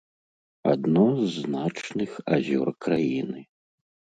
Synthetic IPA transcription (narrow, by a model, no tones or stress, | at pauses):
a̰d̪nɔznat͡ʂnɨxa̰zʲɔ̰rkɾajinɨ